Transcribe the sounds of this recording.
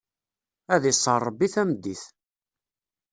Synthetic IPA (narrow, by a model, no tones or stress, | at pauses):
æðisˤːərˤːbːiθæmd̪ːiθ